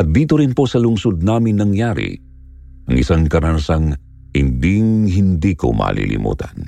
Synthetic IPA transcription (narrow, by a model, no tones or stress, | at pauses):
ʔɐt̪̚d̪iːt̪oɾɪnpo̞sɐlʊŋsod̪̚naːmɪnnːɐŋjaːɾḭ | ʔɐŋʔɪsaŋkɐɾansɐŋ | hɪnd̪iŋɦɪnd̪iːko̞̰mʔɐ̰ːlʔḭlʔɪ̰mʔṵːt̪ɐn